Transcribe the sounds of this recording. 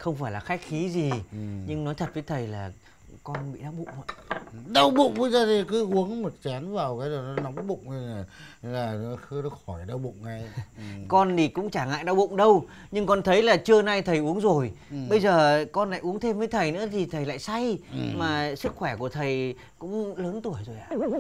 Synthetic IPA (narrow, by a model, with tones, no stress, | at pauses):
xə˧wŋ͡mfaː˧˩jlaː˨˩xa˦˥jk̟̚xi˨˦zi˨˩ɲɨ˧ŋnɔ˨˦jt̪ʰə˨˩t̚vəː˨˦jt̪ʰə˨˩jlaː˨˩ | kɔ˧nɓḭ˧˨ɗa˧wɓṵ˧˨ŋ͡mə˧˩ɗə˧wɓṵ˧˨ŋ͡mvə˧jzəː˨˩t̪ʰi˨˩kɨ˨˦ʔu˨˦əŋmo˨˩t̚t͡ɕa˨˦nvaː˨˩wkaː˨˦jza˨˩nɔ˨˦na˨˦wŋ͡mɓʊ̰˧˨ŋ͡maː˨˩laː˨˩˨xɨ˧ɗə˨˧xɔ˧˩jɗə˧wɓʊ̰˧˨ŋ͡mŋa˧jkɔ˧nɗi˨˩kʊ̰˧˥ŋ͡mt͡ɕaː˧˩ŋa̰ː˧˨jɗa˧wɓʊ̰˧˨ŋ͡mɗə˧w | ɲɨ˧ŋkɔ˧nt̪ʰə˨˦jlaː˨˩t͡ɕɨ˧əna˧jt̪ʰə˨˩jʔu˨˦əŋzo˨˩j | ɓə˧jzəː˨˩kɔ˧nla̰ː˧˨jʔu˨˦əŋt̪ʰe˧mvəː˨˦jt̪ʰə˨˩jnɨ̰˧˥ət̪ʰi˨˩t̪ʰə˨˩jla̰ː˧˨jsa˧jmaː˨˩sɨ˦˥k̚xwɛ˧˩ku˧˩ət̪ʰə˨˩j | kʊ̰˧˥ŋ͡mləː˨˦nt̪u˧˩əjzo˨˩jʔa̰ː˧˨